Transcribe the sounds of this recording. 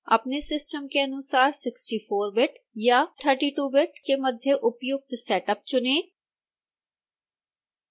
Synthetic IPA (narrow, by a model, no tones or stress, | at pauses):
ə̰pneːsɪsʈəmkeənʊsaːɾsɪksʈiːpʰoːɾbɪʈ | jaːʈ̪ʰəɾʈiːʈuːbɪʈkeːməd̪ʱjeʔʊpjʊɡ̚t̪sɛːʈəp̚t͡ʃʊneː